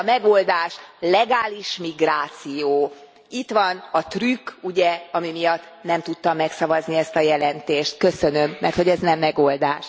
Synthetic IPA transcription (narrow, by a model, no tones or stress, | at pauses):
ɒmɛɡold̪aːʃlɛɡaːliʃmiɡraːt̪sijoː | it̪ʋɒnɒt̪rykːuɟɛɒmimijɒt̪ːnɛmt̪ut̪ːɒmːɛksɒvɒzniɛst̪ɒjɛlɛnt̪eːʃt̪kø̞sønø̞mːɛ̰rt̪ho̞ɟɛznɛmːɛɡold̪aːʃ